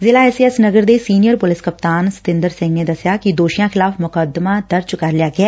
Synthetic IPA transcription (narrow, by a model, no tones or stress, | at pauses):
zɪlaːɛːsiɛsnəɡəɾd̪eːsiːnijəɾpʊlɪskəp̚t̪aːnsɪ̥t̪ɪ̃nd̪əɾsɪ̃ŋɡneːd̪əsɪjaːkid̪oːʃjãːxʰɪlaːfmʊkəd̪mãːd̪əɾd͡ʒkəɾlɪjaːɡɪɛː